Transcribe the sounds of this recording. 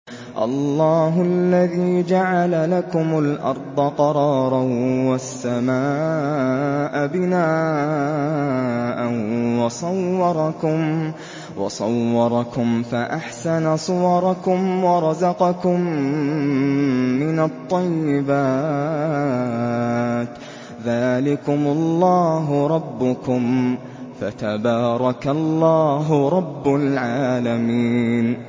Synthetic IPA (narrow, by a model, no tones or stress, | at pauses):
ʔɑ̰lːɑːɦʊlːaðiːd͡ʒaʕalalakʊmʊlʔɑ̰ɾˤd̪ˤɑqɑɾˤɑːɾˤɑwasːamaː | ʔabɪnaː | ʔanwɑsˤɑwːɑɾˤɑkʊm | wɑ̰sˤɑ̰wːɑɾˤɑkʊmfaʔaħsanasˤʊwɑɾˤɑkʊmwɑɾˤɑzɑqɑkʊm | ɪnat̪ˤːɑjːɪbaː | t̪ | ðaːlɪkʊmʊlːɑːɦʊɾˤɑbːʊkʊm | fat̪abaːɾˤɑkalːɑːɦʊɾˤɑbːʊlʕaːlamiːn